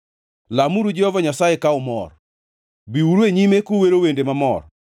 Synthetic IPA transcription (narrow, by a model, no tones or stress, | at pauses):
lamuɾud͡ʒɛɔvaɲasajekaʊmɔ̰r | biuɾeɲimekoweɾowendemamɔ̰r